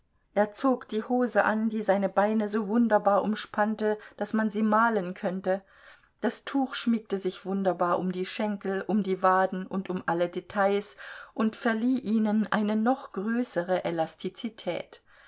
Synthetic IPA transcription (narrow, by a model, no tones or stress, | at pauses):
ʔeːɐt͡soːkd̥iːhoːzəʔa̰ndiːzaɪnəbaɪnəzoːvʊndɐbaːɐʔʊmʃpʰantəd̥asmanziːmaːlənkʰœntə | d̥astʰuːxʃmɪk̚təzɪçv̥ʊndɐbaːɐʔʊmdiːʃɛŋkl̩ʔʊmdiːvaːdn̩ʊntʊmʔalədetʰaɪsʔʊntfɛɐliːʔiːnənʔa̰ɪnənɔχɡ̥ʁøːsəʁəʔɛlastʰit͡sitʰɛ̰ːt